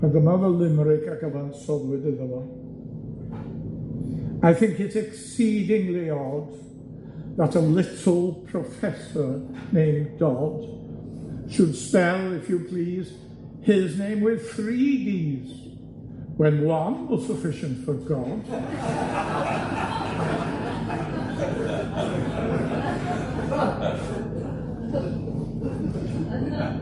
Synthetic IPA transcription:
b̥ət̪̚ðəmʌðəlɪməɹeɪkakəvãnsɔvwɪðɪðəwə | aɪθɪ̃ŋkɪtsɛksidɪ̃ŋliɔv | ðətəlɪtʰl̩ˠpʰɹ̥əfɛsə˞nẽɪ̃mɡɔd̥ | ʃəd̥spɛlˠɪfjəpʰl̥iːz̥ | ɪznẽɪ̃mwɪð̥θɹidiz̥ | wə̃nwʌ̃nwəsəfɪʃɨ̃ntfə˞ɡɔd̥

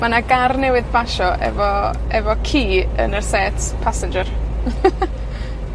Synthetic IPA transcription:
manaɡarnɛwɪðbaʃɔʔɛ̰vɔ | ɛvɔkʰiːə̰nərsɛtpʰasɪnd͡ʒər

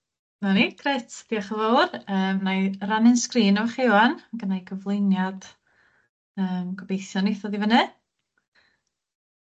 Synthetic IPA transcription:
maniɡ̥ʰretʰd̥iaχəvowrəːmnajranɪnskriːnɔvəχewanaɡənajɡəvlˠɪnjad̥ | əːmɡ̥ʰɔbejθjɔneθɔðivənɨ

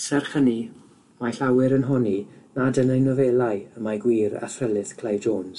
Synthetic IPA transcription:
sɛrχəni | maɬawɪɾənɦɔninadənəjnɔvɛːlˠajəmaɡwiːɾa̰θrəlˠɨθkʰl̥ˠajvd͡ʒoːns

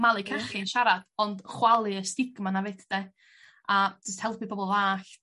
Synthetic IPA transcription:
malˠɨkʰərχɪnʃaɾad̥ɔndχwalˠɨəstɪɡmanavedʰd̥e | ad͡ʒəsthɛlˠpʰibɔbɔlˠvaːɬ

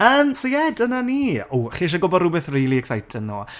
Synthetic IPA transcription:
əːmsojɛdənaniːuχiːʃ̬aɡɔbɔdrʊbɛθrijlˠiɛksajtʰənno̰ː

